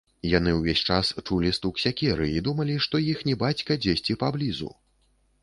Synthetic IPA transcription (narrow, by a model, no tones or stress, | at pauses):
janɨwvʲesʲt͡ʂast͡ʂulʲist̪uksʲakʲɛɾɨid̪umɐlʲiʂt̪ɔjixnʲɛbat͡sʲkɐd͡zʲesʲt͡sʲipablʲizṵ